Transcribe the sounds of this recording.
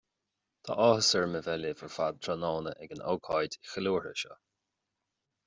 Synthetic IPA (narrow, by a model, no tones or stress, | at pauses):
t̪ʰa̰ːʔɔːhəsəɹməvɛlɪvəɹfad̪̚ʰɾɔnɔːnəʔɛɡəno̰ːkʰɑjd̪ixəluːɹə̰ʃɔ̰